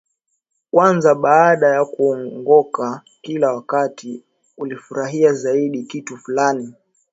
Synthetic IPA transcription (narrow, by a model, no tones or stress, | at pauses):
kwanzaɓaːɗajakuɔŋŋɡɔka | kilawakati | ulifuɾaɦiazaiɗikitufulani